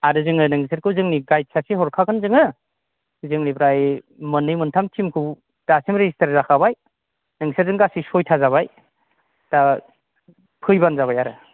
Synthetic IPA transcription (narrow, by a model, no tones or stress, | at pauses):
adɯzɯŋɯnɯŋsʰeɾ̚kʰɯwzɯŋniɡajt̚sʰasiɦɔɾkʰakɯnzɯŋɯ | zɯŋnipɾaj | mɯnːɯjmɯntʰamtʰimkʰɯw | tasimɾezistʰaɾzakʰabaj | nɯŋɡisʰaɾzɯŋɡasisɔjtʰazaβaj | ta | pʰɯjbanzaβajaɾɯ